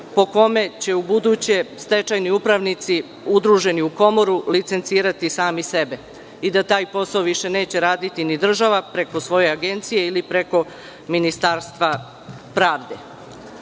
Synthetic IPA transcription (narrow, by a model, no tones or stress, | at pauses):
po̞ko̞me̞t͡ɕe̞ubud̪ut͡ɕe̞st̪e̞t͡ʃajniupɾaʋnit̪si | ud̪ɾuʒe̞niuko̞mo̞ɾulit̪se̞nt̪siːɾat̪isaːmise̞be̞ | id̪at̪aːjpo̞saoʋiʃe̞ne̞ːt͡ɕeɾaːd̪it̪inid̪r̩ʒaʋapɾe̞ko̞sʋo̞je̞aɡe̞nt̪sijeilipɾe̞ko̞ | minist̪aːɾst̪ʋa | pɾaːʋd̪e̞